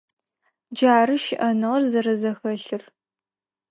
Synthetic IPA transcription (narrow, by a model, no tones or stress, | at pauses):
d͡ʒaːɾɨʃɪʔɐnɨʁɐrzɐɾɐzɐxɐɬɨr